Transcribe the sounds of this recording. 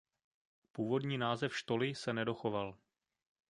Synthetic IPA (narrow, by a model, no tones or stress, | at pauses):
puːvo̞dɲiːnaːzɛfʃt̪o̞lɪsɛnɛdo̞xo̞val